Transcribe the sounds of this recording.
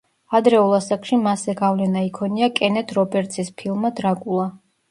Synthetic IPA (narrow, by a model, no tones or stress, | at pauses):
ad̪ɾɛulˠasakʼʃimasɛɡavlɛnaikʰɔniakʼɛnɛt̪ʰɾɔbɛɾt̪sʰispʰilˠmad̪ɾakʼulˠa